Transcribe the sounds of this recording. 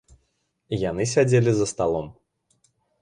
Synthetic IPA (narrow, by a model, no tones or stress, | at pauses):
ijanɨsʲad͡zʲelʲizɐst̪alˠɔm